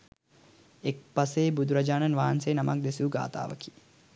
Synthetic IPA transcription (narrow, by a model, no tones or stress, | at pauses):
ek̚pɐseːbud̪ʱuɾɐd͡ʒaːnɐnʋaːnseːnɐmak̚d̪esuːɡa̰ːt̪a̰ːʋɐ̰ki̥